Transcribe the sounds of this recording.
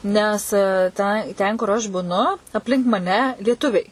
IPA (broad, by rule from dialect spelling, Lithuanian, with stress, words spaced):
ˈnʲɛs ˈtɐ ˈtʲɛn kʊr ˈɐʃ bʊˈnʊ ɐpʲˈlʲɪŋk mɐˈnʲɛ lʲiɛˈtʊʋʲɛɪ